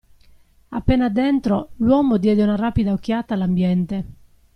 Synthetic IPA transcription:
apːɛnad̪ɛnt̪ɾolwɔːmod̪jɛd̪eunarapid̪aok̟ːjaːt̪alambjɛnt̪e

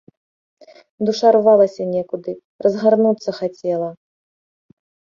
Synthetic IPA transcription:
d̪uʂarvalˠɐsʲɐnʲɛkud̪ɨ | rɐzɣarnut̪sːɐxat͡sʲɛlˠɐ

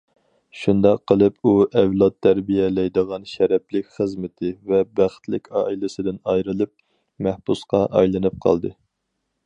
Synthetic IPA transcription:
ʃund̪ɑqʰːəlˠɨpuʔɛvlˠɑt̪ʰːæɾbijɛlɛjd̪əʁɑnʃɛɾɛplɪkʲχəzmɪt̪ʰɪvɛbæχt̪lɪkʲʰɑːilɪsɪd̪ɪnɑjɾɨlˠɨp̚ | mæhbusqɑʔɑ̰jlˠɨnɨp̚qʰɑ̰lˠd̪ɨ

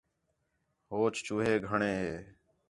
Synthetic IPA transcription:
ɦoːt͡ʃt͡ʃuːɦeːɡʱəɳeːɦeː

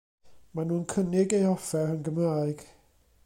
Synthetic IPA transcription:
manuːnkʰənɪɡejɔfɛənɡəmraːɨɡ̥

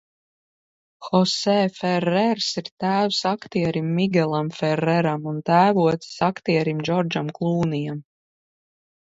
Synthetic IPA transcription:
xɔsɛːfɛɾɛɾsiɾt̪æːwsakt̪iɛɾimːiɡʲɛlˠamfɛɾːɛɾamunt̪æːvuɔt̪si̥sakt̪iɛɾimd͡ʒɔɾd͡ʒamklˠuːnijam

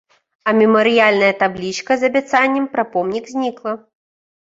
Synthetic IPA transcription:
ɐmʲɛmɐɾɨjalʲnɐjɐt̪ablʲit͡ʃkɐzɐbʲat̪sanʲːɛmpɾapɔmnʲiɡzʲnʲiklˠɐ

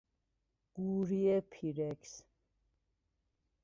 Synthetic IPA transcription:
ɡ̥uːɾiɛpʰiɾɛks

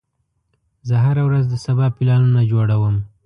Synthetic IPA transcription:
zəɦaɾawɾazd̪əsabɑpɪlɑnunad͡ʒoɽawəm

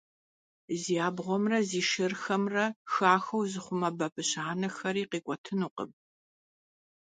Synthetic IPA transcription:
zijaːbʁʷɔmrɐziːʃɪrxɐmrɐxaːxɐwzɨχʷʊmɐbɐpʼɨɕaːnɐxɐɾiːqiːkʷʼɔtʰɨnuːqə̰b̚

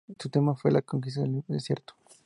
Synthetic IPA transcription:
t̪ut̪e̞mafwe̞lʔakoŋk̬ist̪aðeðesje̞ɾt̪o̥

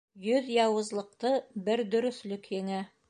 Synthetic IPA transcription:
jɵðjɑwɤ̆zlˠɤ̆q̚t̪ɤbɘɾd̪ɵ̆ɾɵ̆θlɵkjɘ̆ŋæ

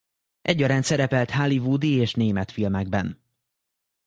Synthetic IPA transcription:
ʔɛɟːɒɾaːnt̪sɛɾɛpɛlt̪halivud̪ieːʃneːmɛt̪filmɛɡ̚bɛn

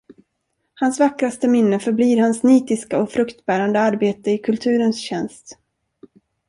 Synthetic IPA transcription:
hansvakɾast̪əmɪnːəfœɾbliːɾhansniːt̪ɪskaɔfɾɵkt̪bæːɾand̪əaɾbeːt̪əɪkʰɵlt̪ʰʉ̟ːɾənsɕɛnst̪

